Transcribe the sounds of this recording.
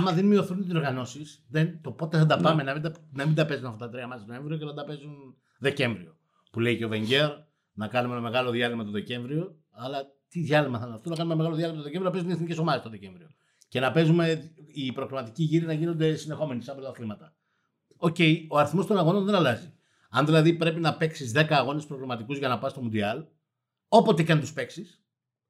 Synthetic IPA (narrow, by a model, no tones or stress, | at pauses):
ɐmɐðenmio̞θunt̪iso̞ɾɣɐno̞sisðent̪o̞po̞t̪eθɐd̪ɐpɐme̞nɐmid̪nɐmind̪ɐpe̞zunɐft̪ɐt̪ɐt̪ɾiɐmɐsit̪oẽ̞ɱvɾio̞ceθɐnd̪ɐpe̞zun | ðe̞ce̞ɱvɾio̞ | puleicove̞ɲɟe̞ɾ | nɐkɐnumenɐme̞ɣɐlo̞ðjɐlimɐt̪oðe̞ce̞ɱvɾio̞ | ɐlɐ | t̪iðʝɐlimɐθɐnɐft̪onɐkɐnumenɐme̞ɣɐlo̞ðjɐlimɐt̪oðece̞ɱvɾioɐpe̞zuneθnice̞so̞mɐðestoðe̞ce̞ɱvɾio̞ | ce̞nɐpe̞zume̞ipɾoɣlimɐt̪iciʝiɾinɐʝino̞nd̪e̞sinðexo̞me̞nisɐbolot̪ɐxlimɐt̪ɐ | o̞ce̞io̞ɐɾiθmo̞st̪o̞nɐɣo̞nonðe̞nɐlɐzi | ɐnðilɐðipɾe̞pinɐpe̞ksizðe̞kɐːɣo̞nespɾo̞ɣlimɐt̪ikuzʝɐnɐpɐst̪o̞mund̪iɐl | o̞po̞t̪ikɐnit̪uspe̞ksis